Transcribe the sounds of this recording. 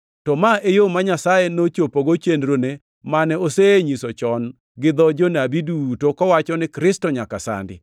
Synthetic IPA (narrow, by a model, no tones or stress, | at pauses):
tɔmaejomaɲasajenot͡ʃopoɡot͡ʃendɾone | manɛoseɲisot͡ʃɔn | ɡɪd̪ɔd͡ʒonabidutokɔwat͡ʃɔnɪkɾɪstɔɲakasa̰ndɪ̰